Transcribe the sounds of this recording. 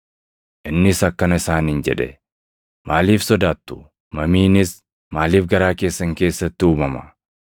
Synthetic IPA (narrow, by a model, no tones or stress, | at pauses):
ʔɪnːɪsɐkːɐnɐɪsaːniːnd͡ʒɛ̰ᶑɛ̰ | maːliːfsɔd̪aːt̪ːʊ | mɐmiːnɪs | maːliːfɡɐɾaːke̞ːsːɐŋkeːsːɐt̪ːɪuːbɐmɐ̰